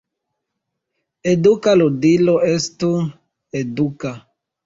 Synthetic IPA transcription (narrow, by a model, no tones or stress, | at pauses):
edukalodiloestu | eduka